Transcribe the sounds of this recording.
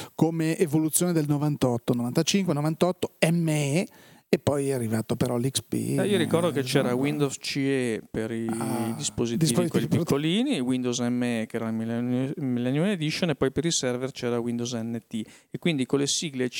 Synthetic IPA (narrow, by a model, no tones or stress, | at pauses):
komeʔevolut̪sːjoːned̪elnovant̪ɔt̪ːonovant̪at͡ʃiŋkwenovant̪ɔt̪ːoɛmːe | epːɔjɛarːivaːt̪opeɾɔlikspḭioɾikɔrd̪oket͡ʃɛːɾawind̪ozt͡ʃiepeɾid̪ispozit̪d̪iikeiikːoliːniwind̪owzɛmːeɛkeɛːɾamilmilɛnuned̪iʃonepːɔjpeɾisɛrvert͡ʃɛːɾawind̪owzɛnːet̪iekːwind̪ikolesiːɡle